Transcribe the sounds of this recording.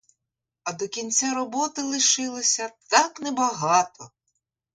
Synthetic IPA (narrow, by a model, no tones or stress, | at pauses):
ɐd̪ɔkʲinʲt͡sʲaɾɔbɔt̪ɪlˠɪʃɪlˠɪsʲɐt̪aknɛbɐɦɑt̪ɔ